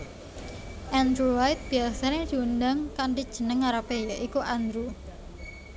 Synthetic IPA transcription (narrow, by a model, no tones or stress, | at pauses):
ʔand̪ɾuwajt̪̚b̥iasaned̪̥iundaŋkaɳɖid̥ʒ̥ə̤nəŋaɾapejaʔikuʔand̪ɾu